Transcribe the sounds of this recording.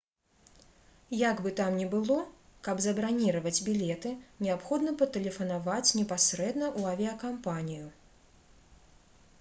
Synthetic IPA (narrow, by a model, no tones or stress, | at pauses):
jaɡbɨt̪amnʲɛbɨlˠɔkɐbzɐbɾanʲiɾɐvɐd͡zʲbʲilʲɛt̪ɨnʲɛapxɔd̪nɐpɐt̪ɛlʲɛfɐnavat͡sʲnʲɛpasɾɛd̪nɐʔuɐvʲiɐkampanʲiju